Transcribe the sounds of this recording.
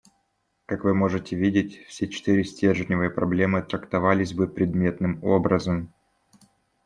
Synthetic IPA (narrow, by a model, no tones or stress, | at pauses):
kakvɨmo̞ʐɨtʲɪvʲidʲɪtʲfsʲet͡ɕɪ̥t̪ɨɾʲɪsʲtʲerʐɨnʲɪvɨjəpɾɐblʲe̞mɨt̪ɾəkt̪ɐvalʲɪsʲbɨpɾʲɪd̪mʲe̞t̪nɨmo̞̰bɾəzəm